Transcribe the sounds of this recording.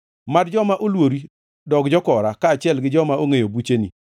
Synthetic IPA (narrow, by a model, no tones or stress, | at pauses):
madd͡ʒɔmaʔolwoɾi | dɔkd͡ʒɔkɔɾakaːt͡ʃɪɛlɡɪd͡ʒɔmaoŋejobut͡ʃeni